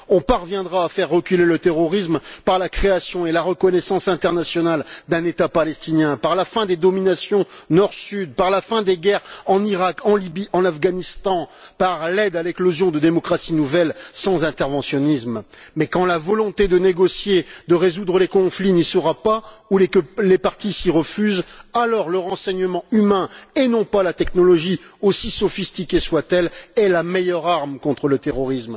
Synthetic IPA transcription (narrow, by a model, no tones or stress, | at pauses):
ɔ̃paʁvjɛ̃d̪ʁaːfɛʁːəkʲylelət̪eʁɔʁismpaʁlakχeasjɔ̃elaʁəkɔnɛsɑ̃sɛ̃t̪ɛʁnasjɔnald̪ɛ̃net̪apalɛst̪injɛ̃paʁlafɛ̃d̪ed̪ɔminasjɔ̃nɔʁsyd̪̚paʁlafɛ̃d̪eɡɛʁɑ̃niʁakɑ̃libiɑ̃nafɡanist̪ɑ̃paʁlɛd̪alɛklɔzjɔ̃d̪əd̪emɔkχasinuvɛlsɑ̃zɛ̃t̪ɛʁvɑ̃sjɔnismmɛkɑ̃lavɔlɔ̃t̪ed̪əneɡɔsjed̪əʁezud̪ʁəlekɔ̃flinisəʁapaulkəlepaʁt̪isiʁəfyzalɔʁləʁɑ̃sɛɲəmɑ̃ymɛ̃enɔ̃palat̪ɛknɔlɔʒiosisɔfist̪ikʲeswat̪ɛlɛlamɛjœʁaʁmkɔ̃t̪χələt̪eʁɔʁism